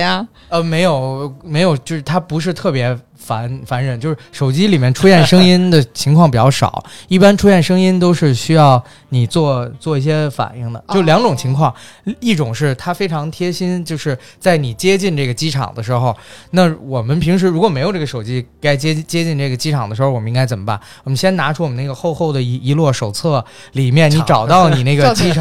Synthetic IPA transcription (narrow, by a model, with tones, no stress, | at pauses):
ə˧me˧˥ɪjo˨˩ʊme˧˥ɪjo˨˩ʊt͡ɕjo˥˧ʊʂɻ̩˥˩t̪ʰa˥pu˧˥ʂ̬ɻ̩˥˧t̪ʰɤ˥˩pjɛ˧˥ | fa˧˥nfa˧˥nɻə˨˩˦nt͡ɕjo˥˧ʊʂɻ̩˥˩ʂo˨˩ʊt͡ɕi˥li˨˩mjɛ˥˩nʈ͡ʂʰu˥jɛ˥˩nʂɤ˥ŋi˥nd̪ə˨t͡ɕʰi˧˥ŋkʰwɑ˥˩ŋpi˨˩t͡ɕjɑ˥˩ʊʂɑ̰˨˩˦ʊi˥˩pa˥nʈ͡ʂʰu˥jɛ˥˩nʂɤ˥ŋi˥nt̪̬o˥ʊʂɻ̩˥˧ɕy˥jɑ˥˩ʊ | ni˨˩t͡swɔ˥˩t͡swɔ˥˧i˥˩ɕ̬jɛ˥fa̰˨˩ni˥˩ŋd̪ə̰˩t͡ɕjljɑ˧˥ŋʈ͡ʂʊ˨˩ŋt͡ɕʰi˧˥ŋkʰwɑ˥˧ŋi˥˩ʈ͡ʂʊ˨˩ŋʂɻ̩˥˩t̪ʰa˥fe˥ɪʈ͡ʂʰɑ˧˥ŋt̪ʰjɛ˥ɕi˥nt͡ɕjo˥˧ʊʂɻ̩˥˧ | t͡sa˥˩ɪni˨˩t͡ɕjɛ˥t͡ɕi˥˧nʈ͡ʂɤ˥˩ɡə˩t͡ɕi˥ʈ͡ʂʰɑ̰˨˩ŋd̪ə˦ʂ̬ɻ̩˧˥xo˧ʊna˥˩wɔ˨˩mə˦npʰi˧˥ŋʂ̬ɻ̩˧˥ɻu˧˥kwɔ˨˩me˧˥ɪjʊʈ͡ʂɡə˩ʂo˨˩ʊt͡ɕi˥ka˥ɪt͡ɕjɛ˥t͡ɕjɛ˥t͡ɕi˥˧nʈ͡ʂɤ˥˩ɡə˩t͡ɕi˥ʈ͡ʂʰɑ˨˩ŋd̪ə˦ʂɻ̩˧˥xo˥˧wɔ˨˩m˦i˥ŋɡa˥ɪt͡sə˨˩mə˦ba̰˥˩nwɔ˨˩mə˦nɕjɛ˥nna˧˥ʈ͡ʂʰu˥wɔ˨˩mə˦na˥˩ɡə˧xo˥˧ʊxo˥˩ʊd̪ə˩˧˥i˧˥lwɔ˥˩ʂo˨˩ʊt͡sʰɤ˥˩ | li˨˩mjɛ˥˩ni˧˥ʈ͡ʂɑ˨˩ʊt̪ɑ˥˩ʊni˨˩na˥˩ɡə˩t͡ɕi˥˩